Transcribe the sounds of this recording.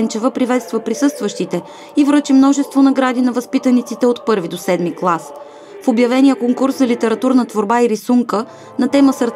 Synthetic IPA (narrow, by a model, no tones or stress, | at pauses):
nt͡ʃɛvəpɾivɛt̪st̪vəpɾisɤst̪vəʃt̪it̪ɛ | ivɾɤt͡ʃimnɔʒɛst̪vonɐɡɾad̪inɐvɐspit̪ənit̪sit̪ɛot̪pɤɾvid̪osɛd̪miklˠas | fobjɐvɛnijəkoŋkuɾszɐlit̪ɛɾɐt̪uɾnət̪voɾbaiɾisuŋkə | nɐt̪ɛməsəɾt̪